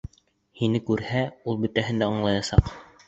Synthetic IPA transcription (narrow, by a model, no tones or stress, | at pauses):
hinɘkʉɾhæulˠbɵ̆t̪æɦɘ̆nd̪æŏɴlˠɑjɑsɑ̰q